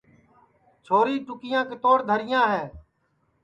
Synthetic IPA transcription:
t͡ʃʰoːɾiːʈʊkɪjãːkɪt̪oːɾd̪ʱəɾɪjãːɦɛː

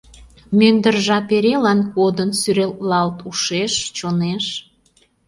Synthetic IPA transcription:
mønd̪ərʒɑpeɾelɑnkod̪ənsyɾellɑlt̪uʃeʃt͡ɕoneʃ

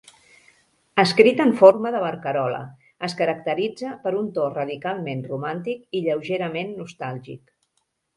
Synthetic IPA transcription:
əskɾit̪əɱforməðəβəɾkəɾɔlə̰ | əskəɾəkt̪əɾid͡zəpəɾunt̪orəðikalˠmenrumant̪ikiʎəwʒeɾəmenːust̪alˠʒḭk

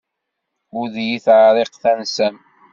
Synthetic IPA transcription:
uðjiθʕɾˤeqθænsæn

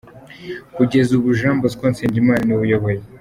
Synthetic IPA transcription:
kuɟe̞zuβuʒaːmbozikonseːɲɟimaːɾiniβujoβoje

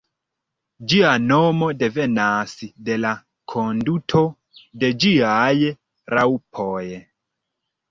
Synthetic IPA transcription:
d͡ʒiano̞mo̞de̞ve̞naside̞la | kʰondutʰo | de̞d͡ʒiaj | ɾawpʰoj

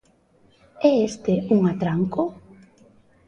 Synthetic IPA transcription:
ɛest̪euŋat̪ɾaŋko

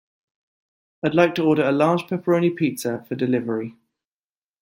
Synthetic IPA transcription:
aɪdˡlaɪk̚tʰəɔːɾəɹəlɑ̥ːʒ̥pʰɛpʰəɹəʊ̃nipʰiˑtsəfədɪlɪvəɹi

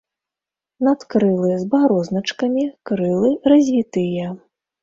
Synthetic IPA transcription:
nat̪kɾɨlˠɨzbaɾɔznɐt͡ʂkɐmʲikɾɨlˠɨrɐzʲvʲit̪ɨjɛ

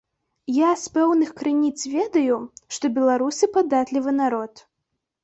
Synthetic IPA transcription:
jaspɛwnɨxkɾɨnʲit̪svʲɛd̪ɐjuʂt̪ɔbʲɛlˠaɾusʲipad̪at̪lʲivɨnaɾɔt̪

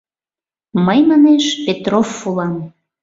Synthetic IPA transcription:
məjmɑneʃpet̪rofːulɑm

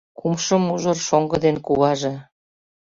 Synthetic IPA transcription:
kumʃə̆muʒɤ̆rʃoŋɡɤ̆d̪enkuβɑʒe

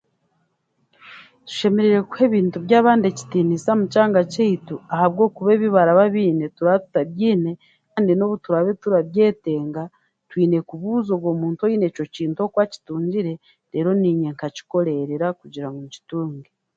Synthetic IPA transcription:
tu̥ʃe̞me̞ɾeɾe̞kwe̞ːβiːntuβjaːβaːnde̞ci̥tiːnisamucaːŋɡaceituahaβɡo̞ːkuβe̞βiβaɾaβaβiːne̞tuɾaβatu̥taβjiːne̞ | kaːndino̞βutuɾaβe̞tuɾaβje̞ːte̞ːŋɡa | twiːne̞kuβuːzo̞βɡo̞ːmuːntuojiːne̞ːco̞ciːntuo̞kwaːci̥tuːɲɟiɾe̞ | ɾe̞ːɾo̞niːɲe̞ŋkaci̥ko̞ɾe̞ɾeɾakuɟiɾaŋɡoci̥tuːŋɡe

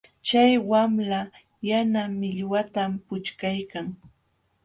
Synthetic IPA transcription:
t͡ʃajwamla | janamɪʎwat̪ampʊt͡ʃkajkaŋ

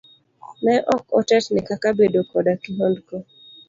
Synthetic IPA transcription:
nɛʔɔkɔtɛtnɪkakabedokɔdakiɦɔndko

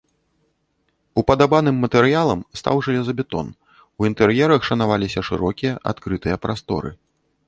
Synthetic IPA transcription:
upɐd̪abanɨmːɐt̪ɛɾɨjalˠɐmst̪a̰wʐɨlʲɛzɐbʲɛt̪ɔ̰n | uint̪ɛɾjɛɾɐxʂɐnavalʲisʲɐʂɨ̰ɾɔkʲijɐʔa̰t̪kɾɨt̪ɨjɐpɾʔast̪ɔ̰ɾɨ̰

